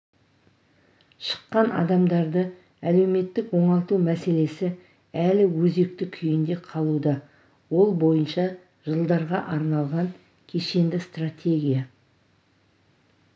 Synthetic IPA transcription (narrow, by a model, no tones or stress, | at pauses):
ʃə̥qːɑnɑ̰d̪ɑmd̪ɑɾd̪ə | æle̞wme̞t̪ːɪkwo̞ɴɑlˠt̪umæse̞le̞sɪ | ælɪwɵze̞k̚t̪ɪkʲʰʏjɪnd̪e̞qʰɑlˠud̪ɑ | wo̞lˠbo̞jənʃɑ | ʒəlˠd̪ɑɾʁɑʔɑɾnɑlˠʁɑŋ | kʲʰe̞ʃe̞nd̪ɪst̪rat̪ʲʰe̞ɡʲija